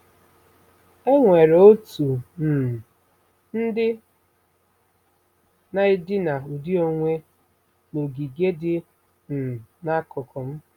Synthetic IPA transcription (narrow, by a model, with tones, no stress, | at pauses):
e˦ŋʷe˨ɾe˨o˦tu˨n̩˨ | n̩˦dɪ˦ | na˦ɪ˦dɪ˦na˨u˨di˦o˨ŋʷe˦ | no˨ɡi˨ɡe˦dɪ˦ | n̩˨na˦kɔ˨kʰɔ˨m̩˦